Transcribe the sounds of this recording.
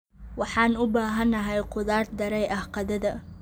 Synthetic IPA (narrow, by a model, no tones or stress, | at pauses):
wɑħɑːnʊbaːɦɐnːɐɦɛjqʊðaːrd̪ɐɾɛjʔɐhqɑðɐðɐ